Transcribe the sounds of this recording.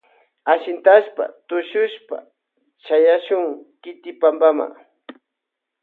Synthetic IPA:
aʃɪnt̪aʃpa̰t̪ʊʃʊʃpa̰ | t͡ʃajaʃʊŋkɪt̪ɪpambama̰

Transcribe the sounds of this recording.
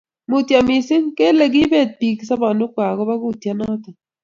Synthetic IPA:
mut̪jamisiŋkeleɡibet̪̚piksabanʊkʷaɣoβaɡut̪janat̪a

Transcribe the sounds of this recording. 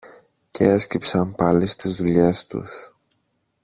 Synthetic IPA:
cʰeescipsɐmpɐlist̪izðuʎe̞st̪ṵs

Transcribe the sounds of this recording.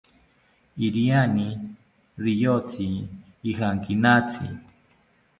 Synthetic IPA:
iɾiani | ɾijot͡siː | xaŋkinat͡sʰḭ

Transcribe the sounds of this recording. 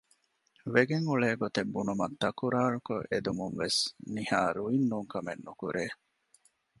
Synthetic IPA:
ʋeɡeŋuɭeːɡot̪ebːunumɐt̪ːɐkuɾaːɭuko̰ʔed̪umuŋʋesnihaːɾuinːuŋkɐmḛnːukuɾʔeː

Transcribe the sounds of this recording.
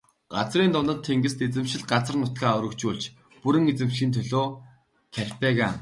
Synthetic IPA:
ɢ̥at͡sriːnt̪ʊnt̪ə̆nt̪ʰːeŋɡɘ̆st̪et͡sɘ̆mʃɪ̆ɮɢat͡sə̆rnʊt̪ɡaːɔɾɵ̆kt͡ɕuːɮt͡ɕ | puɾɘ̆ŋet͡sɘ̆mʃiːnt̪ʰœɮoː | kʰærʲpæːɣaː

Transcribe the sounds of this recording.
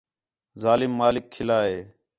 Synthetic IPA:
zaːlɪmːaːlɪkʰːɪlaːɦeː

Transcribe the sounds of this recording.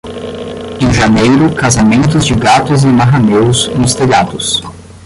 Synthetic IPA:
ẽʒanejɾʊkazamẽnt̪ʊzd͡ʒɪɡat̪ʊzẽmaɦanewzmʊst̪eʎad̪ʊs

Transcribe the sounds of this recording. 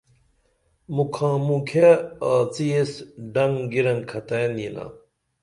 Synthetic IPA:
mukʰãːmũkʰeaːt͡sijesɖɐŋɡiɾɐnkʰɐt̪anina̰

